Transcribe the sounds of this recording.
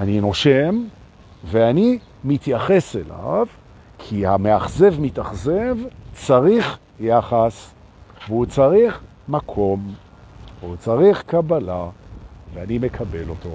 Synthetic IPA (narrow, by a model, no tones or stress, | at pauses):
anino̞ʃem | veani | mit̪jaχe̞sela̰v | kʰihameaχze̞vmitaχze̞vt͡saʁiχ | jaχas | veut͡saʁiχ | makʰo̞m | veut͡saʁiχkabalaveanime̞kʰabe̞lo̞to